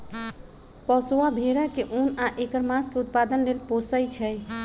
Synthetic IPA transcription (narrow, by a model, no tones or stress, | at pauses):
pəsoabʱeɾakeʔunaʔekəɾmãskeut̪̚pad̪ənlelposəjt͡ʃʰɛj